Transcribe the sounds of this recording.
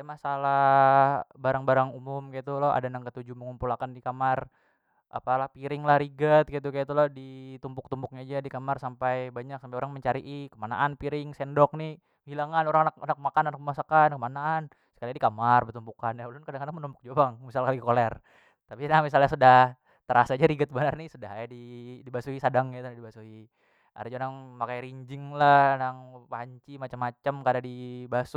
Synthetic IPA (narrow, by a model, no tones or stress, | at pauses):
smasala | baɾaŋbaɾaŋumʊmkit̪ulɔa̰danaŋkət̪ud͡ʒuməŋumpulakandikamar | ʔa̰palahpiɾɪŋlahɾiɡət̪̚ɡit̪̬ukajit̪ulɔhdit̪umpʊk̚t̪umpʊk̚ɲad͡ʒadikamarsampajbaɲaksampajoɾaŋməɲt͡ʃaɾiʔikəmana̰ʔanpiɾɪŋsɛndɔk̚nih | hilaŋanoɾaŋanak̚anak̚makananak̚məmasakankəmanaːn | sə̥kalidikamarbət̪umpukanjaulʊnkadaŋkadaŋmənumpʊk̚d͡ʒuabaŋmisalkalikolɛr | t̪apinaŋmis̬alɲasudah | t̪əɾasad͡ʒaɾiɡət̪̚bənarnisudaɦajadidibasuhisadaŋjat̪unadibasuɦi | a̰ɾd͡ʒonaŋmakajɾiɲd͡ʒɪŋlahnaŋpaɲt͡ʃimat͡ʃamːat͡ʃamkadadibasu